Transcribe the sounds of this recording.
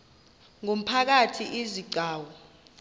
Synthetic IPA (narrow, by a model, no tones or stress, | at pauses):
ŋom̩pʰak̬atʰiʔiziǀʱaːwɔ